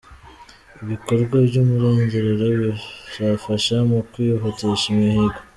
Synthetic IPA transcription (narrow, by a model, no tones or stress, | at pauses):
iβiko̞ɾɡwabɟomuɾoːɲzeɾeɾoβiʒafaʃamukwioɦoteʃimihiɡo